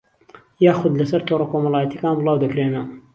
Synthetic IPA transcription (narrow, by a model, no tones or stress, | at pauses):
jaːxʊd̪lɐsɐɾt̪ʰorˤɐkoːmɐlˠɑːjɐt̪jɐkaːnbʊlˠɑːwd̪ɐkɾeːnɐ